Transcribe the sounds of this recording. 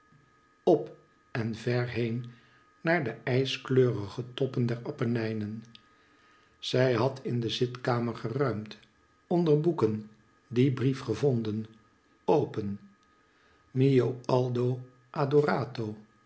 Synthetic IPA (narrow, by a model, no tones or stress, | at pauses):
ɔp | ɛnvɛɹɦejn | naːɹdəɛjskløːrəχətɔpəndɛɹɑpənɛjnən | z̥ɛjɦɑtʰɪndəzɪtkaːməɹχərœɥmt | ɔndəɹbukən | dibrifχəvɔndən | owpən | mijoɑlˠdow | ʔaːdoraːtow